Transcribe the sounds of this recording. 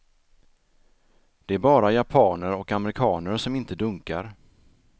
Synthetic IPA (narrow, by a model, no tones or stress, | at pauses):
d̪̥ɛæɾbɑːɾajapʰɑːnəɾɔkamɾɪkʰɑːnəɾʂɔmɪnt̪əd̪ɵŋka̰ɾ